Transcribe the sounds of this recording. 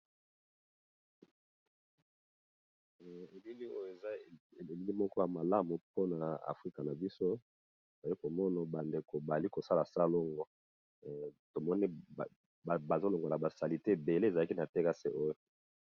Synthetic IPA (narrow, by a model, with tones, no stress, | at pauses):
e˨li˦li˦o˦jo˦˨e˨za˦˨e˨e˨li˦li˦mɔ˦kɔ˦ja˨ma˨la˦mu˨po˦na˨a̰˨fʁi˦ka˨na˨bi˦so˦ | ba˨ji˦ko˨mɔ˦na˨ba˨nde˨ko˨ba˨li˦ko˨sa˦la˨sa˦lo˦ŋɡɔ˦˨ | to˨mɔ˦ni˦˨ | ba˨zo˦lo˨ŋɡo˨la˨ba˨sa˨li˨te˦˨be˨le˦˨za˨la˦ki˦na˨te˦ka˦se˦ʔo˦jo˨